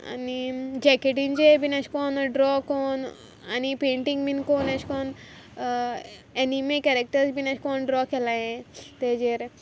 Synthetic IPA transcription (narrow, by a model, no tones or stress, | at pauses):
a̰nid͡ʑɛkeʈ̬ind͡ʑebʱinat͡ʃkɔnɖɾɔkon | anipeɳʈiŋɡbinkonat͡ʃkɔn | enimekɛɾek̚ʈəɾsbʱinat͡ʃʰkɔnɖɾɔkʰɛlaɦẽt̪ed͡ʑeɾ